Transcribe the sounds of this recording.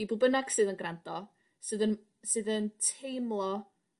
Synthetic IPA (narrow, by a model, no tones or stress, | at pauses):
ibubənaɡ̥sɨːðənɡrandɔ | sɨːðən | sɨːðəntʰejmlˠɔ